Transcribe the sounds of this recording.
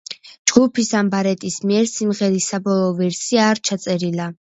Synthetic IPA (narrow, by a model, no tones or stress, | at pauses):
d͡ʒɡupʰisambaɾɛt̪ʼismiɛɾsimʁɛɾisabɔlˠɔːvɛɾsiaːɾt͡ʃʰat̪sʼɛɾila